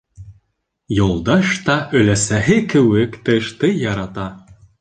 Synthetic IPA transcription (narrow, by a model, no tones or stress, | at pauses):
jolˠd̪ɑʃt̪ɑʔɵ̆læsæɦɘkɘ̆wɘkt̪ɤ̆ʃt̪ɤjɑɾɑt̪ɑ